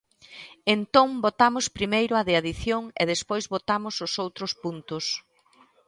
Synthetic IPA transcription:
ent̪õŋbot̪amʊspɾimejɾʊaðiaðiθjoŋḛðespojzβot̪amʊsʊsowt̪ɾʊspunt̪ʊs

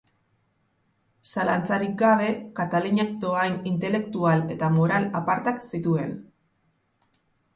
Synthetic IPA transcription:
salant͡saɾik̚ɡaβ̞e̞kat̪aluɲak̚t̪oajnint̪e̞le̞k̚t̪uale̞t̪amo̞ɾalapaɾt̪aksit̪ue̞n

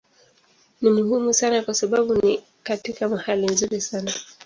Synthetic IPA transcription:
nimuhumusanakwasaɓaɓuni | katikamahalinzuɾisana

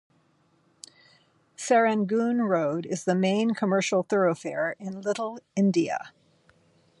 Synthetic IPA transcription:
sɛɹɨ̃nɡũnɹoʊɾɪzðɨmẽɪ̃nkʰəmɜ˞ʃl̩ˠθɜ˞oʊfɛɹɪ̃nlɪɾl̩ˠɪ̃ndiɨ̰

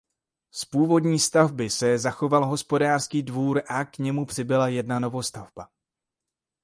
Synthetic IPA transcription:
spuːvo̞dɲiːst̪avbɪsɛzaxo̞valɦo̞spo̞daːr̥skiːdvuːɾʔakɲɛmupr̥ɪbɪlajɛdnano̞vo̞st̪avba

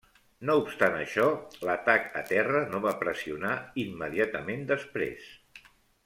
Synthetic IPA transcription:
noupst̪anəʃɔlət̪akə̰t̪ɛrənoβapɾəsiunaimːəðiat̪əmend̪əspɾḛs

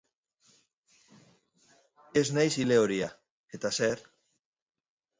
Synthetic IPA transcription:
eznajsileoɾia | et̪aseɾ

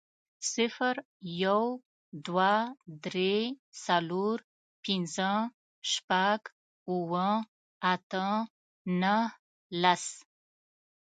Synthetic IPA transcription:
sɪfəɾ | jaw | d̪wad̪ɾesaloɾ | pɪnzə | ʃpaɡ | uwə | at̪ə | nəh | las

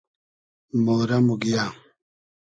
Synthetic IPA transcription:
moɾamuɡija

